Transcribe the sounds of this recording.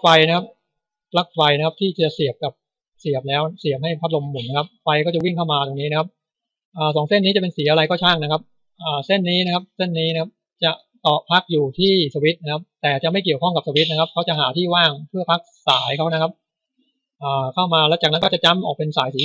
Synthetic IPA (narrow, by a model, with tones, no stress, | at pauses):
fa˧jna˦˥kʰa˦˥p̚ | la˦˥k̚fa˧jna˦˥kʰa˥t̪ʰiː˥˩˨t͡ɕa˨˩si˨˩əp̚ka˨˩p̚ | si˨˩əp̚lɛː˦˥wsi˨˩əp̚ha˥˩jpʰa˦˥t̪̚lo˧mːu˨˩˦nːa˦˥kʰa˦˥p̚fa˧jkɔː˥˩t͡ɕa˨˩wi˥˩ŋkʰa˥˩wmaː˧t̪oː˧ŋniː˦˥na˦kʰa˦˥p̚ | ʔaː˨˩sɔː˩˦ŋse˥˩niː˦˥t͡ɕa˨˩pe˧nsiː˨˩˦ʔa˧ɾa˧jkɔː˥˩t͡ɕʰaː˥˩ŋna˦kʰa˦˥p̚ | ʔaː˨˩se˥˩nːiː˦˥na˥kʰa˦˥p̚se˥˩nːiː˦˥na˥kʰa˦˥p̚ | t͡ɕa˨˩ʔ | t̪ɔː˨˩pʰa˦˥k̚juː˨˩t̪ʰiː˥˩sa˧wi˦˥t̪̚na˦˥kʰa˦˥p̚t̪ɛː˨˩t͡ɕa˨˩ma˥˩ki˨˩əwkʰɔ˥˩ŋka˨˩p̚sa˧wi˦˥t̪̚na˦˥kʰa˥p̚kʰa˦˥wt͡ɕa˨˩haː˩˦t̪ʰiː˥˩waː˥˩ŋpʰɯ˥˩ɐpʰa˦˥k̚saː˩˦jkʰa˦˥wna˦˥kʰa˦˥p̚ | ʔaː˨˩kʰa˥˩wmaː˧lɛː˦˥t͡ɕaː˨˩kna˦˥nkɔ˥˩t͡ɕa˨˩t͡ɕa˦˥mʔɔ̰ː˨˩k̚pe˧nsaː˩˦jsiː˩˦